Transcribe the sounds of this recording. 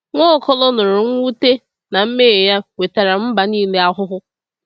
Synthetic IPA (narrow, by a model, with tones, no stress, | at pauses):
ŋʷɔ˦˨˦kɔ˦lɔ˦nʊ˨ɾʊ˨ŋʷ˦u˦te˦ | na˨m̩˦me˦˨ja˦we˨ta˨ɾa˨m̩˦ba˨niː˦le˦a˦ɦʊ˦ɦʊ˦